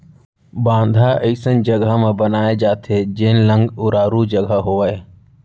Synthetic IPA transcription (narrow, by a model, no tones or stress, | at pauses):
bãːnd̪ʱaʔəːsənd͡ʒɐɡəmẽbɐnaːed͡ʒaːt̪ʰed͡ʒɪːnlə̃ŋɡʊɾaːɾud͡ʒɐɡʱəɦoʋəe